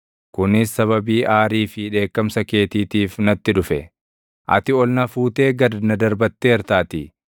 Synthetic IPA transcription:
kʊnɪsːɐβɐbiːʔaːɾiːfɪᶑe̞ːkːɐmsɐke̞ːt̪iːt̪iːfnɐt̪ːɪᶑʊfɛ | ʔɐ̰t̪ɪɔlnɐfuːt̪e̞ːɡɐd̪nɐd̪ɐɾbɐt̪ːeːɛɾt̪aːt̪ɪ

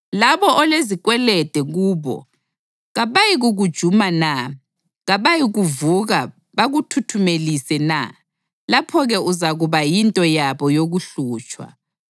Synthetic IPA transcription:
laβɔʔɔleziɣʼwɛlɛd̥ʱɛɣuːβɔ̰ | ɣaβajiɣuɣud̥ʒ̥ʱumana | ɣaβajiɣuvuɣa | βaɣutʰutʰumelisɛna̰ | lapʰɔɣɛuzaɣuβajintʼɔjaβɔjoɣuɬuːt͡ʃʼwa̰

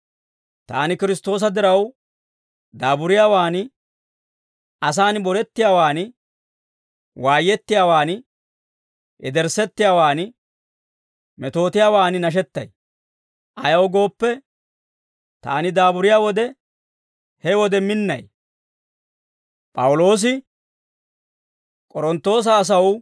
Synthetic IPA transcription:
t̪a̰ːnɪkɪɾɪst̪ːo̞ːs̬ɐd̪ɪɾɐw | d̪aːbʊɾɪjaːwaːn | ʔɐs̬aːnbɔɾɛt̪ːɪjaːwaːn | waːjːɛt̪ːɪjaːwaːn | ʔɛd̪ɛɾsɛt̪ːɪjaːwaːn | mɛt̪o̞ːt̪ɪjaːwaːnnɐʃ̬ɛt̪ːɐ̰j | ʔɐjɐwɡo̞ːpːɛ | t̪a̰ːnɪd̪aːbʊɾɪjaːwɔd̪ɛ | hɛwɔd̪ɛmɪnːɐj | pʼɐwʊlo̞ːs̬ɪ | kʼɔɾɔnt̪ːo̞ːs̬ɐːs̬ɐw

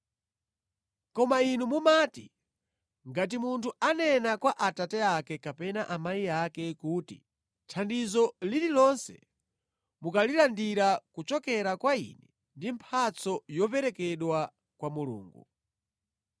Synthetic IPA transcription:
kɔmainumumaːti | ŋɡat̬imuntʰuanɛnakwaʔatatɛakɛkapɛnaʔamaiakɛkuːti | tʰandizɔlililɔnsɛ̰ | mukalilandiɾakut͡ʃɔkɛɾakwaḭnɛ | ndimpʰat͡sɔjɔpɛɾɛkɛɗwa | kwamulṵːŋɡṵ

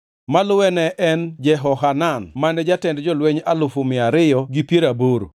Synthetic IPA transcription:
malʊwɛnɛʔɛnd͡ʒɛɦɔɦananmanɛd͡ʒatɛndd͡ʒɔlwɛɲalʊfʊmɪaɾɪjɔɡipjieɾaboɾo

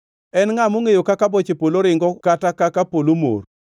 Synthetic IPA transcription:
ɛnŋamoŋejokakabot͡ʃepoloɾɪŋɡɔkatakakapolomo̰r

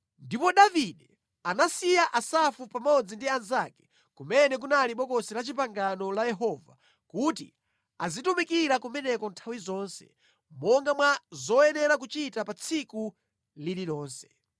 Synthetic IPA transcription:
ndipɔɗaviɗɛ | anasijaʔasafupamɔd͡zindianzakɛ̥ | kumɛnɛk̬unaliɓɔkɔsilat͡ʃip̬aŋɡanɔlajɛɦɔva̰ | kutḭ | azitumikiɾakumɛnɛkɔntʰawizɔːnsɛ̰ | mɔŋɡamwazɔjɛnɛɾak̬ut͡ʃitapat͡sʰiku | lililɔːnsɛ̥

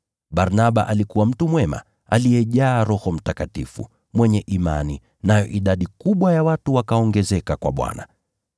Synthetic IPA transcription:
ɓaɾnaɓaʔalikuwam̩tumwɛma̰ | alijɛʄaːɾɔhɔm̩takatifṵ | mwɛɲɛʔima̰ni | najɔ̰ʔiɗaɗikuɓwajawatuwakaɔŋɡɛzɛkakwa̰ɓwa̰na̰

